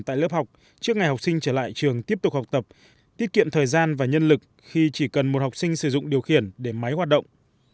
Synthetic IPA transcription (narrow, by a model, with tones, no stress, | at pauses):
t̪a̰ː˧˨jləː˦˥p̚ha˨˩wk͡p̚ | t͡ɕɨ˦˥ək̚ŋa˨˩jɦa˨˩wk͡p̚sï˧ŋt͡ɕəː˧˩la̰ː˧˨jt͡ɕɨ˨˩əŋt̪i˦˥əp̚t̪ʊ˨˩k̚ha˨˩k͡p̚t̪ə˨˩p̚ | t̪i˦˥ət̚kḭ˧˨əmt̪ʰəː˨˩jzaː˧nvaː˨˩ɲə˧nlɨ˨˩k̚ | xi˧t͡ɕi˧˩kə˨˩nmo˨˩t̚ha˨˩wk͡p̚sï˧ŋ̟sɨ˧˩zʊ̰˧˨ŋ͡mɗi˨˩əwxi˧˩ənɗe˧˩ma˨˦jɦwa˨˩t̚ɗə̰˧˨wŋ͡m